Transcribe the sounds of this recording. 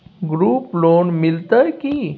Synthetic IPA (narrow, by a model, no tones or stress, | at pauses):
ɡɾuːploːnmɪlt̪əjki